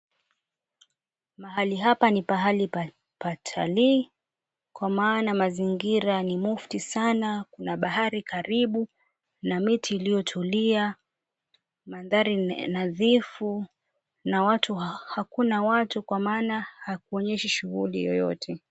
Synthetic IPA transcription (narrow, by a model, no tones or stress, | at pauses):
maɦaliɦapanipaɦalip | patʰa̰li | kwamaːnamaziŋɡiɾanimuftisanakunaɓahaɾikaɾiɓu | namitʰiːlijɔtʰulia | manðaɾinaðifu | nawatuhakunawatukwamaːnahak̚uɔɲɛʃiʃuɣulḭjɔ̰jɔ̰tʰɛ